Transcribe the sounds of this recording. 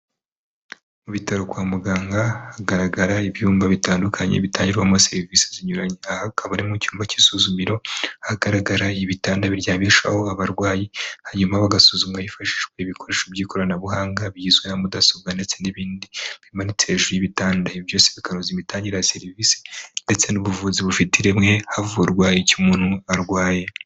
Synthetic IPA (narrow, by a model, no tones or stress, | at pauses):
muβitaɾo̞kwaːmuɡaːŋɡahaɡaɾaɡaɾaiβjuːmbaβitaːndukʰaɲḛβitaːɲɟiɾɡwamase̞ɾiviseziɲuɾaɲeahakʰaβaɾimucuːmbaci̥suzumiɾo̞haɡaɾaɡaɾaiβitaːndaβiɾjaːβiʃa̰ho̞aβaɾɡwaːjihaɲumaβaɡasuzumajifaʃiʒɡwe̞iβikʰo̞ɾe̞ːʃobjiːkʰo̞ɾanaβuɦaːŋɡaβjiːzwenamudasoβɡande̞t͡se̞niβiːndiβiɾimanit͡se̞ʒujiβitaːndaiβjo̞ːseβikʰaɾozimitaːɲɟiɾajase̞ɾivise̥nde̞t͡se̞nuβuvuziβufitʰiɾemŋe̞havuoɾɡwaːjecumuːn̥huaɾɡwaːje̞